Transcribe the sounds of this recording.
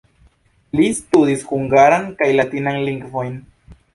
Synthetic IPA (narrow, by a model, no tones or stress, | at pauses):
list̪uðisxuŋɡaɾaŋkajlat̪inaŋliŋkfojn